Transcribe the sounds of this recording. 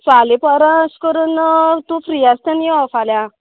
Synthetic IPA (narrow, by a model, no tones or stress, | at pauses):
falepɔɾãskəɾunt̪ufɾiast̪ãnjiɔfalja